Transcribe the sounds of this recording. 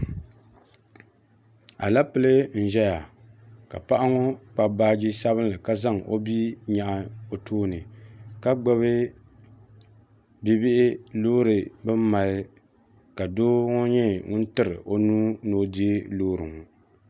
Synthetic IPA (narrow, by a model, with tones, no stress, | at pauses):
a̰˨la˦pɨ˦lɨ˦n̩˨ʒɛ˦ja˨ | ka̰˨pa˦ʔa˦ŋɔ˦k͡pa˨baː˦d͡ʒi˦sa˦βɨ˦n˦lɨ˨ka˦za˦˨ŋo̰˦bi˦ɲa˨ʔa˨o˨toː˦nɨ˨ka˦ɡ͡bɨ˦βɨ˦ | bi˦bɪ˦ʔɪ˦loː˦ɾɨ˨bɨ˦m˦ma˨lɨ˦ | ka˨doː˦ŋɔ˦ɲɛ˦ŋʊ˦n˦tɨ˦ɾɨ̰˨ʔo˦nuː˦noː˦di˦e˦loː˦ɾɨ˨ŋɔ˨